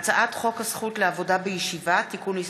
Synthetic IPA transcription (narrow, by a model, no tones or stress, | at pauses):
t͡saʔat̪χo̞khasχutleavo̞dabejeʃivat̪ikuni